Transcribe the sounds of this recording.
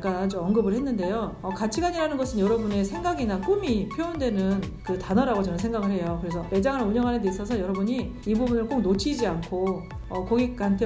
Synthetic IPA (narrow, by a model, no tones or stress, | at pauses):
k͈aːd͡ʑuʌnɡɯbɯɭhenːɯnde̞jo | ʌkat͡ɕʰiɡaɲiɾanɯnɡʌsʰɯnjʌɾʌbune̞sʰe̞ŋɡaɡinak͈umipʰjoondwe̞nɯnkɯtanʌɾaɡot͡ɕʌnɯnsʰe̞ŋɡaɡɯɭɦe̞jokɯɾe̞sʰʌe̞d͡ʑaŋɯɭuɲʌŋɦanendeis͈ʌsʰʌjʌɾʌbuɲi | ibubunɯɭk͈ok̚not͡ɕʰid͡ʑiankʰo | ʌkoɡik̚k͈antʰe